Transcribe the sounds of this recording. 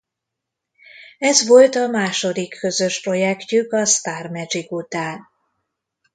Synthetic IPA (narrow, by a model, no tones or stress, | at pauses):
ɛzʋo̞lt̪ɒmaːʃo̞d̪ikʰːø̞zø̞ʃpro̞jɛkcykɒst̪aːrmɛd͡ʒikut̪aːn